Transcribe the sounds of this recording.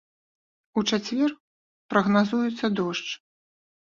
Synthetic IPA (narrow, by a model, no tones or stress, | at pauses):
ut͡ʂat͡sʲvʲɛr | pɾɐɣnazujut̪sːɐd̪ɔʂt͡ʂ